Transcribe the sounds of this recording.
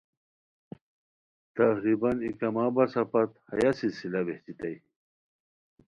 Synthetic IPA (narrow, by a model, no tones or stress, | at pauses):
t̪ɐhɾibɐnikɐmaːbɐsɐpɐt̪hɐ̰jasilsilɐbeht͡ɕit̪ɐj